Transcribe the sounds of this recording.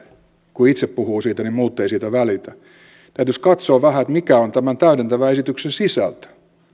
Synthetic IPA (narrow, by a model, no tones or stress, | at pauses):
kuit̪seppuhuːsiːt̪ænimmuːt̪ːeisiːt̪æʋælit̪æ | t̪æyt̪yskɑt̪soːʋæhæet̪mikæont̪æmænt̪æyɾent̪æʋæesit̪yksensisæ̰lt̪æ̥